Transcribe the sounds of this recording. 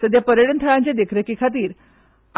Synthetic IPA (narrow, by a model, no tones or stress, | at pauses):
səd̪japəɾjəɽənt̪ʰəɭãɲt͡ɕed̪ekʰɾekikʰat̪iːɾ